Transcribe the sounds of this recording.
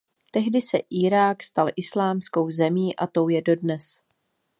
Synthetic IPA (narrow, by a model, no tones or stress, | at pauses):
t̪ɛɦdɪsɛ̰ʔiːɾaːkst̪alʔɪslaːmsko̞wzɛmiːʔat̪o̞wjɛdo̞dnɛs